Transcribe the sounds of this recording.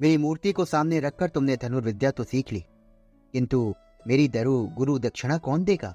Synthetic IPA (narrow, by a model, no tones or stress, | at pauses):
meːɾimuːɾt̪ikosaːmneɾɐkʰːɐɾt̪ʊmned̪ʱɐnuːɾʋɪd̪jat̪osiːkʰlḭː | kɪ̃nt̪u | meːɾid̪ɐɾuɡʊɾud̪ɐkʃɪɽ̃akɔːnd̪eːɡa̰ː